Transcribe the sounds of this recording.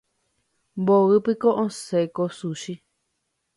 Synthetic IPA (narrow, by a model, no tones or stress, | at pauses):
mboɨpɨkoʔõsekosuʃi